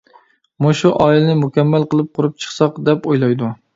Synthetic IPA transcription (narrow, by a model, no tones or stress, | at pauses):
muʃuʔɑilɪnɪmukʲɛmːælqəlˠɨp̚qʰʊɾɨp̚t͡ʃʰə̥χsɑqd̪ɛpojlˠɑjd̪u